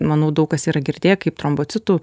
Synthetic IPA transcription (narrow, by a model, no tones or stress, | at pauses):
mɐnɐʊd̪ɐʊkɐsiːɾɐɡʲɪɾʲd̪ʲeːjɛkɐɪp̚t̪ɾomboːt̪t͡s̪ʲɪt̪uː